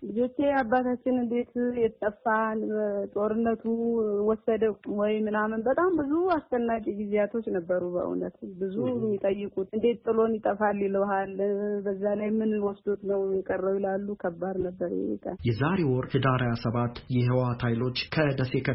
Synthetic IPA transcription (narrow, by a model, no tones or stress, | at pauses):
lɨzo̞t͡ʃːeabːat̪at͡ʃːɪnɨnd̪e̞t̪jɛt̪ʼːəfant̪ʼo̞ɾɨnːət̪ʰuwɔsːəd̪əwɔjmɨnamənbət̪ʼambɨzuast͡ʃənːakʼiɡizejat̪ʰo̞t͡ʃːnəbːəɾubə̰ʔɨ̰nət̪bɨzumːit̪ʼəjːɪkʼut̪ɨnd̪e̞t̪t̪ʼːɨlo̞njɪt̪ʼəfalːiləwɦalbəzːalajmɨnwɔsd̪ot̪nəwjɛkʼərːəwɪlalːukʰəbːad̪nəbːəɾjɛ̰ḭk̪ʰʼa̰jɛzaɾewɔɾhɨd̪aɾajasəβat̪jɛɦəwat̪ʰajlo̞t͡ʃːkʰəd̪əsekə